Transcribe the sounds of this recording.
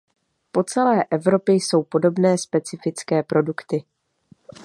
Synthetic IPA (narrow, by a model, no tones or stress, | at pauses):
po̞t͡sɛlɛːʔɛvɾo̞pjɪjso̞wpo̞do̞bnɛːspɛt͡sɪfɪt͡skɛːpɾo̞dukt̪ɪ